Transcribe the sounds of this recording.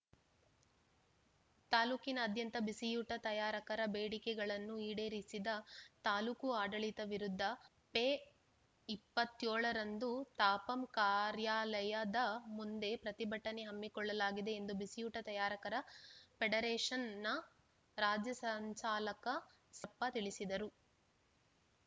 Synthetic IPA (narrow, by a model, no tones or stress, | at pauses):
t̪aːluːkinɐːd̪ʱjɐnt̪ɐbisijuːʈɐt̪ɐjaːɾɐkɐɾɐbeːɽikɛɡɐɭɐnːuiːɽeːɾisid̪ɐt̪aːluːkuaːɖɐɭit̪ɐʋiɾud̪ʱːɐ | peː | ipːɐt̪ːjoːɭɐɾɐnd̪ut̪aːpɐmkaːɾjaːlɐjɐd̪ɐmund̪e̞pɾɐt̪ibɐʈːɐneɦɐmːikɔɭːɐlaːɡid̪e̞ːnd̪ubisijuːʈɐt̪ɐjaːɾɐkɐɾɐpeɖɐɾeːʂɐnːɐ | ɾaːd͡ʒjɐsɐɲt͡ʃaːlɐkɐ | sɐpːɐt̪iɭisid̪ɐɾu